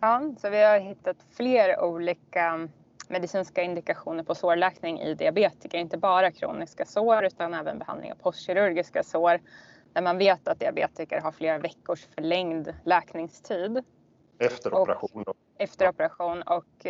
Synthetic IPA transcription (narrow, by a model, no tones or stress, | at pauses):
ɑːsɔvɪhaɾɦɪt̪ːat̪fleːɾuːliːka | mɛd̪ɪsiːnskaɪnd̪ɪkaɧuːnəɾpʰɔsoːɾɭɛːknɪŋɪ̰d̪ɪabeːt̪ɪkəɾɪnt̪əbɑːɾakʰɾṵːnɪskasoːɾʉ̟ːt̪anɛːvə̰nbɛɦa̰nd̪lɪ̰ŋa̰vpʰɔst̪ɕɪɾɵɾɡɪskasoːɾ | d̪̥æɾmanveːt̪at̪̚d̪ɪabḛːt̪ɪkə̰ɾɦaɾfleːɾavɛkːʊʂfœɭɛŋd̪lɛːknɪŋst̪ʰiːd̪ | ɛft̪əɾɔɔɾa̰ɧuː | ɛft̪əɾɔpɛɾaɧuːnɔk